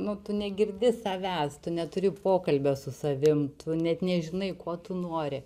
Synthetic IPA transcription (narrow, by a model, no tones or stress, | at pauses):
nʊt̪ʊnʲɛɡʲɪrʲd̪ʲɪsɐʋʲæːst̪ʊnʲɛt̪ʊɾʲɪpoːkɐlʲbʲɛsʊsɐʋʲɪmt̪ʰʊnʲɛt̪nʲɛʒʲɪnɐɪkoɔt̪ʊnoːɾʲɪ